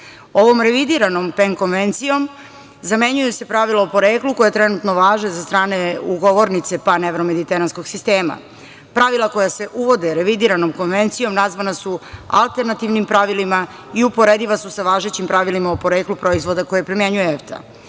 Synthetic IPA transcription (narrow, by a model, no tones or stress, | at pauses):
o̞ʋo̞mɾe̞ʋid̪iɾano̞mpeŋko̞nʋent̪sijo̞m | zame̞ɲujuse̞pɾaʋilˠaopo̞ɾe̞ːkluko̞jet̪ɾe̞nut̪no̞ʋaːʒnezast̪ɾaːne̞uɡoʋo̞ɾnit̪se̞paneʋɾome̞d̪it̪eɾansko̞ɡsist̪e̞ːma̰ | pɾaʋilˠako̞jase̞ʔuʋo̞d̪e̞ɾe̞ʋid̪iɾano̞mko̞nʋe̞nt̪sijo̞mnazʋanasua̰lˠt̪e̞ɾnat̪iʋnimpɾaʋilima | iupo̞ɾed̪iʋasusaʋaːʒet͡ɕimpɾaʋilimaopo̞ɾe̞ːklupɾo̞izʋo̞d̪ako̞jepɾimje̞ɲujeeft̪ʰa̰